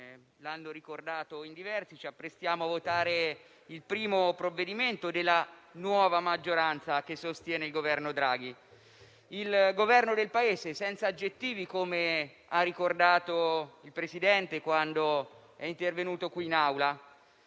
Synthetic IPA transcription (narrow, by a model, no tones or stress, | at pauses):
lanːoɾikord̪aːt̪oind̪ivɛrsit͡ʃiapːɾest̪jaːmoavːot̪aːɾe | ilpɾiːmopɾovːed̪iment̪od̪elːanwɔːvamad͡ʒːoɾant̪sak̟esːost̪jɛːneilɡovɛrnod̪ɾaːɡ̟i | ilɡovɛrnod̪elpaeːzesɛnt̪saːd͡ʒːet̪ːiːvikome | arːikord̪aːt̪oilpɾesid̪ɛnt̪ekwand̪o | ɛint̪ervenuːt̪okwiːnawla